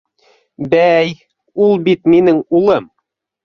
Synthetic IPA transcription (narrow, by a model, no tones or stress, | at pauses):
bæj | ulˠbit̪minɘŋulˠɤm